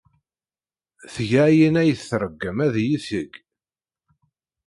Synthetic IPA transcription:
θʝæjinæjəθθɾˤəɡːəmæðjiθəɡ

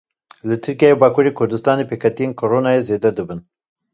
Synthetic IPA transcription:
lɨt̪ʰɨɾkijɑːjebɑːkʰuːɾeːkʰʊɾd̪ɨst̪ɑːneːpʰeːkʰɛt̪ijeːnkʰoɾoːnɑːjezeːd̪ɛd̪ɨbɨn

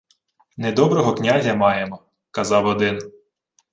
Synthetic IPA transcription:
ned̪ɔbɾɔɦɔknʲazʲɐmɑjemɔ | kɐzɑwɔd̪ɪn

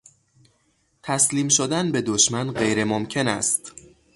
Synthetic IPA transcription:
t̪ʰæsliːmʃod̪ænbe̞d̪oʃmænɢe̞jɾe̞momcʰe̞næ̰st̪

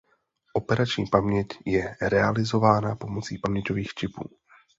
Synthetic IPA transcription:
ʔo̞pɛɾat͡ʃɲiːpamɲɛcjɛɾɛalɪzovaːnapo̞mot͡siːpamɲɛcoviːxt͡ʃɪpuː

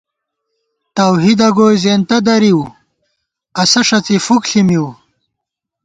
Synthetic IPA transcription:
t̪ɐwɦid̪ɐɡoːjzeːnt̪ɐd̪ɐɾiw | ɐsɐʂɐt͡sifukɬimiw

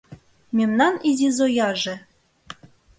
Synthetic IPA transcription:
mʲemnɑnizʲizojɑʒĕ

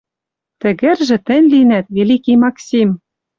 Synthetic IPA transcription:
t̪ɘ̆ɣɘ̆rʒɘ̆t̪ɘ̆nʲlinæt̪velikimɑksʲim

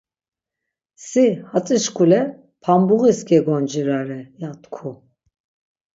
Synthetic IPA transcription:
sihat͡sʼiʃkʰulɛ | pʰambuɣisɡɛɡɔnd͡ʒiɾaɾɛjat̪ʰʼkʰu

